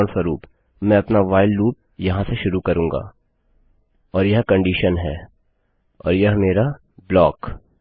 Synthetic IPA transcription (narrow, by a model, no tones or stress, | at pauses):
ɳsɐɾuːp | mɛ̃ɐpnaʋaːɪlːuːp̚jɐɦãseʃʊɾukɐɾũːŋɡa̰ː | ɔːɾjɐɦkɐ̃ɳɖiːʃənɦɛː | ɔ̰ːɾjɐɦmeːɾa | blɔːk